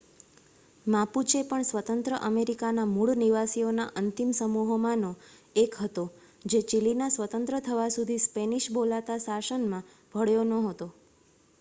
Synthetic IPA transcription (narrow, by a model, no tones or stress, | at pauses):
mãput͡ʃepəɳsʋət̪ənt̪ɾəʔəmeɾikanamuɭniʋasionaʔənt̪imsəmuɦomãnoekɦət̪o | d͡ʒet͡ʃilinasʋət̪ənt̪ɾət̪ʰəʋasud̪ʱispeniʃbolat̪asasənmã | bʱəɽjonəɦət̪o